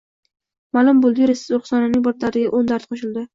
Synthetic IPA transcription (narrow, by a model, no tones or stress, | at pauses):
malˠʊmbolˠd̪ɪɾesɪ̥zoɾχsɒnanɪŋʲbɒɾt̪ʰlaɾɪɡʲaʔond̪aɾt̪qʰoʃɪld̪ɪ